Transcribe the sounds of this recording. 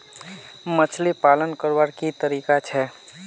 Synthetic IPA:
mət͡ʃʰlipalənkəɾʋaɾkit̪əɾiːkat͡ʃʰɛ

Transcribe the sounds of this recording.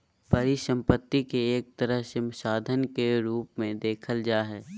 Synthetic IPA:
bɐɾisə̃mpət̪ːikeeːk̚t̪ɐɾəɦʃɪmsaːd̪ʱənkeɾuːpmẽd̪eːkʰəld͡ʒaːɦɛː

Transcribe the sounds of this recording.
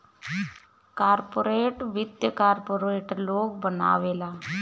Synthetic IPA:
kaːɾpoːɾeːʈʋɪd̪jəkaːɾpoːɾeːʈloːɡ̚bəna̰ːʋeːlaː

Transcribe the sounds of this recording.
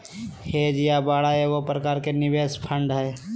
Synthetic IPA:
heːd͡ʒjabaːɽaeʋopɾɐkaːɾkenɪʋeːspʰə̃ɳɖɦɛː

